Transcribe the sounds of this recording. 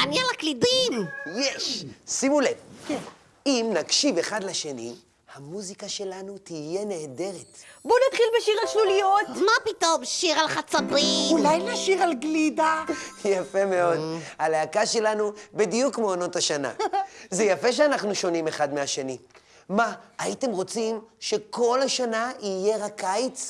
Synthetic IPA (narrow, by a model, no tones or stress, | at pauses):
anialaklidimjeʃsimulevke | imnakʃive̞χad̪leʃe̞nḭ | hamuzikaʃe̞lanut̪ije̞neːde̞ʁetbunat̪χilbeʃiʁalʃlulijotmapito̞mʃiʁalχat͡sabiulajlaʃiʁalɡlidajafe̞me̞o̞dhaleakaʃe̞lanubidijukmeono̞taʃana̰zejafe̞ʃ̬eanaχnuʃo̞nime̞χadmeaʃe̞ni | maːite̞mʁo̞t͡simʃe̞ko̞laʃanaije̞ʁakajt͡s